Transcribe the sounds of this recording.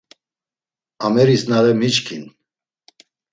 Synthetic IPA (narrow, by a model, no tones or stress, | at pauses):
amɛɾisnaɾɛmit͡ʃkʰin